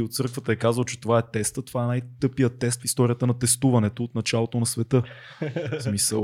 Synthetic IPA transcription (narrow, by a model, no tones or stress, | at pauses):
iot̪̚sɤɾkvət̪əɛkazvəlˠt͡ʃɛ̥t̪ovaɛt̪ɛst̪ət̪ovaɛnajt̪ɤpijət̪ːɛst̪fist̪ɔɾijət̪ənɐt̪ɛst̪uvɐnɛt̪oːt̪nɐt͡ʃalˠot̪onɐsvɛt̪ɤ | smisə̰